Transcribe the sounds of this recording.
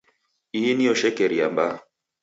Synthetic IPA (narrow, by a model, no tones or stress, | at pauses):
iiniɔʃɛkɛɾia̰mba